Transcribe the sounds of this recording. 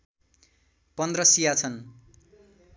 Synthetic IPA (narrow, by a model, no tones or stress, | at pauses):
pʌnd̪rʌsijat͡sʰʌn